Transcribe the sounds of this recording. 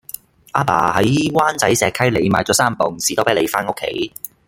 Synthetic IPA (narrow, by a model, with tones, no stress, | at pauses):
ʔaː˨˥pa̰ː˨˩hɐ˨˥jwaː˥nt͡sɐ˨˥jsɛː˨˧kʰɐ˥jle˨˧jmaː˨˧jt͡sɔː˨˥saː˥m˨pʊ˨˩ŋsiː˨t̪o˥wpe˨˥le˨˧jfaː˥no˥kʰːḛ˨˥j